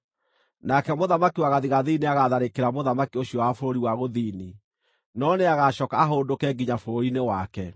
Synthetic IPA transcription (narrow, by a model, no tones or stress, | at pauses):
nakɛmoðamakiwaɣaðiɣaðineaɣaðaɾekeɾamoðamakioɕiɔwafoɾoɾiwaɣoðini | nɔneaɣaʃɔkaːɦondokɛːɡiɲafoɾoɾinewakɛ